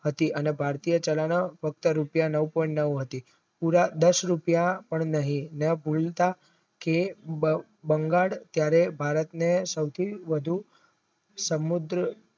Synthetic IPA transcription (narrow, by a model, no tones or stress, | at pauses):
ɦət̪iʔənebʱaɾt̪ijət͡ʃəlanəfʰək̚t̪əɾupjanəʋpɔĩɳʈnəʋɦət̪i | puɾad̪əsɾupjapəɳnəɦĩnəbʱult̪a | ke | bəŋɡaɽt̪jaɾebʱaɾət̪nesəwt̪ʰiʋəd̪ʱu | səmud̪ɾə